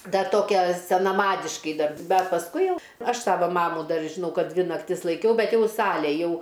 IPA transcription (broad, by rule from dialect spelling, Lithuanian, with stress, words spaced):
ˈdɐr ˈtoːkʲɛ sʲɛnɐˈmɑːdʲɪʃkɐɪ ˈdɐr ˈbʲɛt pɐsˈkʊɪ ˈjɛʊ ˈɐʃ ˈsɑːʋɐ ˈmɑːmuː ˈdɐr ʒʲɪˈnɐʊ ˈkɐt ˈdʲʋʲɪ nɐkˈtʲɪs lˠɐɪˈkʲɛʊ ˈbʲɛt ˈjɛʊ ˈsɑːlʲeː ˈjɛʊ